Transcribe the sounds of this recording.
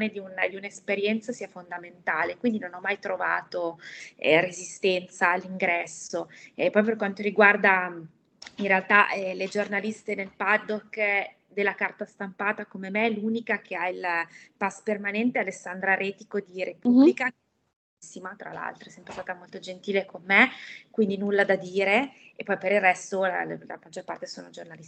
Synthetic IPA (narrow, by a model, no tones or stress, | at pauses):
ned̪iund̪iunaespeɾjɛnt̪sasiːafond̪ament̪aːlekwind̪inonɔmːajt̪ɾova̰ːt̪oɛrezist̪ɛnt̪saːlːiŋɡɾɛsːoɛpːɔjperkwant̪oɾiɡward̪a | inrealt̪aɛled͡ʒornalist̪enelpad̪okː | d̪elːakart̪ast̪ampaːt̪akomemeluːnikak̟eailpaspermanɛnt̪ealesːand̪ɾaɾeːt̪ikod̪iɾepublika | sːimat̪ɾa̰la̰lt̪ɾoɛsɛmpɾest̪aːt̪amolt̪od͡ʒent̪iːlekomːekwind̪inulːad̪ad̪iːɾe | epːɔjpeɾilrːɛst̪oala̰mad͡ʒːorpa̰rt̪esoːnod͡ʒornalis